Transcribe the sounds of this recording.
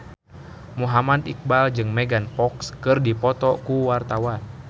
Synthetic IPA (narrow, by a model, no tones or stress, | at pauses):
muɦamad̪ik̚bald͡ʒɨŋmɛɡanpɔkskɨrdipɔt̪ɔkuwart̪awan